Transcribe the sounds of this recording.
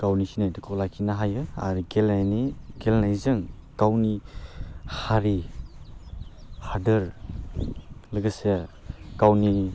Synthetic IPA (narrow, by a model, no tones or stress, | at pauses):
kawnisinajdɯkʰɔlajkʰinaɦajɯa̰ɾiɡelnajniɡelnajzɯŋkawni | haɾi | hadɯɾ | lɯɡɯse | kawni